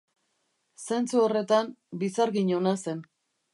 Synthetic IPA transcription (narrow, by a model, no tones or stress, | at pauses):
se̞nt͡suore̞t̪ambisaɾɣiɲo̞nase̞n